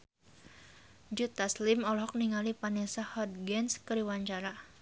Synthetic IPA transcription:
d͡ʒut̪aslimɔlɦɔk̚niŋalipanɛsahɔd̪̚ɡɛnskəɾiwaɲt͡ʃaɾa

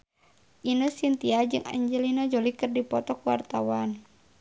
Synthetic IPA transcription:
ʔinəsint̪iad͡ʒɨŋa̰ɲd͡ʒəlinad͡ʒolikɨrdipɔt̪ɔkuwa̰rt̪awan

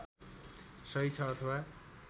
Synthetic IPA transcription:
sʌit͡sʰʌːt̪ʰʌwa

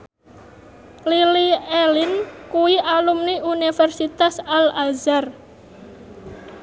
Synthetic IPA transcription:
lilielinkuiʔalumniunifɛrsit̪asalazar

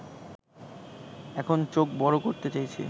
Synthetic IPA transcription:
ɛkʰont͡ɕok̚bɔɽokoɾt̪et͡ɕajt͡ɕʰḛ

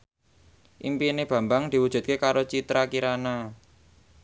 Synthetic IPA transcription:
ʔimpineb̥a̤mbaŋd̪̥i̤wud̥ʒ̥ṳt̪̚kekaɾot͡ʃit̪ɾakiɾana

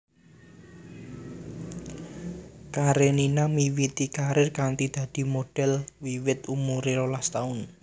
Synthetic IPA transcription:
kaɾeninamiwit̪ikaɾɪrkaŋt̪id̪̥ä̤d̪̥i̤moɖ̥ɛ̤lwiwɪt̪umuɾelolast̪aʊn

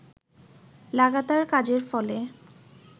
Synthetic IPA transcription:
laɡat̪aɾkad͡ʑeɾfɔle

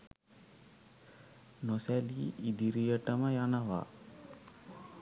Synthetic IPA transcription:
nosɛliid̪iɾijəʈəməjanəʋa̰

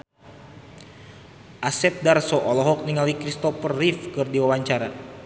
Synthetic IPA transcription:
ʔasɛt̪̚darsɔʔɔlɔɦɔk̚niŋalikɾist̪ɔfərːifkɨrdiwawaɲt͡ʃaɾa

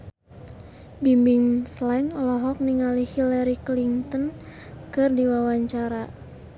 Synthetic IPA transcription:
bimbiŋslɛŋɔlɔɦɔk̚niŋalihilɛɾikliŋt̪ɔn | kɨrdiwawaɲt͡ʃaɾa

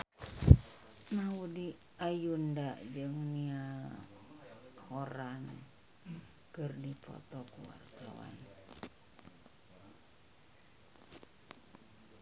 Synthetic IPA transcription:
naudi | ajundaʔd͡ʒɨŋnia | hoɾan | kɨrdipɔ̰t̪ɔkuwa̰rt̪awa̰n

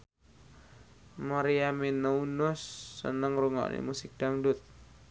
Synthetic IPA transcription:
maɾiaminaunʊsːə̰nəŋruŋa̰ʔnḛmusɪk̚d̥aŋdʊt̪̚

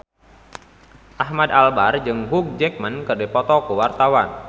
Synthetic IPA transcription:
ʔaɦmad̪albard͡ʒɨŋɦuk̚d͡ʒɛk̚mankərdɛpɔt̪ɔkəwart̪awan

